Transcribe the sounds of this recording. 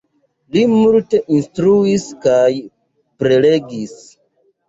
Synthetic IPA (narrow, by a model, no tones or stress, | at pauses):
limulte̞ʔinstɾuiskaj | pɾe̞le̞ɡis